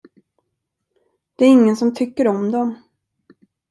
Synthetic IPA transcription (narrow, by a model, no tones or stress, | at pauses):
d̪̥ɛæɾɪŋːənsɔmt̪ʰʏkːəɾɔmd̪ɔm